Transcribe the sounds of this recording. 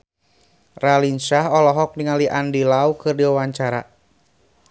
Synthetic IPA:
ralinsaɦɔlɔɦɔk̚niŋaliʔandilaukɨrdiwawaɲt͡ʃaɾa̰

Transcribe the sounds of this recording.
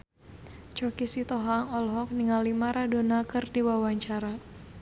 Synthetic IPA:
t͡ʃɔkisit̪ɔɦaŋɔlɦɔk̚niŋalimaɾado̤nakɨrdiwawaɲt͡ʃaɾa

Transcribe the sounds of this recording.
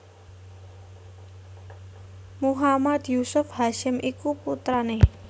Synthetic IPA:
muɦamad̪jusʊfhaʃɪmʔikuput̪ɾane

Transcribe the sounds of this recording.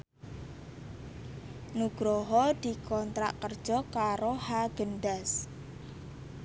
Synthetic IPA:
nuɡ̥ɾɔɦɔd̪̥i̤kɔnt̪ɾa̰ʔkərd̥ʒ̥ɔkaɾohaɡ̥ənɖas

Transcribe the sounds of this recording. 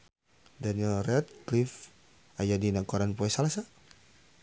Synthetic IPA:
daniɛlrɛt̪̚klif | ajadinakɔɾanpɔɛsalasa

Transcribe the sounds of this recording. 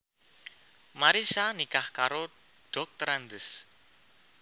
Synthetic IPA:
maɾisanikahkaɾo | ɖ̥ɔ̤k̚t̪əɾand̪əs

